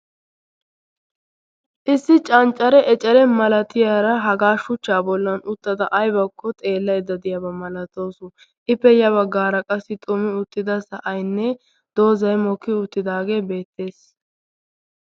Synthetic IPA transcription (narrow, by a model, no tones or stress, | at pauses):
ʔɪsːɪt͡ʃʼɐnt͡ʃʼːɐɾɛʔɛt͡ʃʼɛɾɛmɐlɐt̪ɪjaɾɐɦɐɡaːʃʊt͡ʃːaːbɔlːɐnʊt̪ːɐd̪ɐʔɐjbɐkːɔt̪ʼe̞ːlːɐjd̪ɐd̪ɪjɐbɐmɐlɐt̪o̞ːsʊ | ʔɪpːɛjɐβɐɡːaːɾɐkʼɐsːɪt̪ʼʊmːɪʊt̪ːɪd̪ɐsɐʔɐjnːɛ | d̪̥o̞ːzɐjmɔkːɪʊt̪ːɪd̪aːɡe̞ːbe̞ːt̪ːe̞ːs